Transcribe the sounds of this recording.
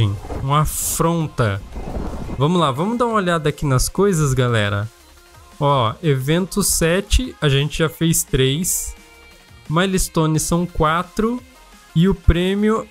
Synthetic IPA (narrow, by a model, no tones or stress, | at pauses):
ẽũmafɾõnt̪ɐ | vɐ̃mʊzlavɐ̃mʊzd̪aũmɐoʎad̪ɐːkinɐskojzɐzɡalɛ̰ɾɐ̰ | ɔevẽnt̪ʊsɛt͡ʃɪaʒẽnt͡ʃɪʒafejst̪ɾejs | majlist̪õnɪsɐ̃w̃kwat̪ɾʊ | ɪʊpɾẽmiʊ